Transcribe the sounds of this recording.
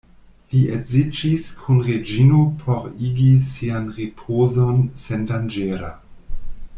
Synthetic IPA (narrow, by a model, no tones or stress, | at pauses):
liʔezid͡ʒiskʰunʁed͡ʒinopʰoɾiɡisianʁipʰoːzonsendand͡ʒeɾa̰